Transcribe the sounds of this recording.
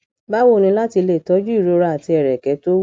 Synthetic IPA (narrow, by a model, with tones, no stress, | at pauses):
ba˦wo˦˨nĩ˧˦la˦ti˧le˨tɔ˨˦d͡ʒu˦i˦˨ɾo˧˦ɾa˧a˨ti˧ɛ˨ɾɛ˨kɛ˨˦to˦